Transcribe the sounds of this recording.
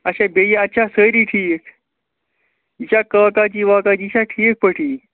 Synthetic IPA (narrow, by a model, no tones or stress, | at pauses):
ɐɕabejeɐtːt͡ʃʰasəɾiʈʰiːk | it͡ʃakəːkat͡ʃiːʋaːkat͡ɕiːt͡ʃʰaʈʰiːk̚pəʈʰiː